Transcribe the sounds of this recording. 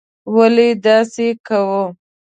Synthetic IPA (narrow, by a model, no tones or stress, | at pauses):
waled̪ɑsekawə